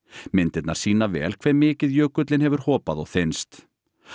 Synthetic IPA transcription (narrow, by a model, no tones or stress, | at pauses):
mɪnt̪ɪt̪naɾ̥siːnavɛ̰ːlkʰvɛmɪːcɪðjœːkʏt̪lɪnhɛvʏɾ̥hɔːpaðɔɣθejnst̪